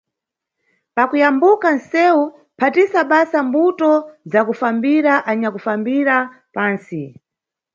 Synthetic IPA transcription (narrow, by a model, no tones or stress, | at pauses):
pakujambukansɛu | pʰatisaɓasambutɔzakufambiɾaʔaɲakufambiɾa | paːnsi